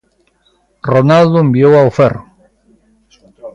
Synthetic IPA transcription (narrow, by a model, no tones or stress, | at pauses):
ronald̪ʊembiowawfer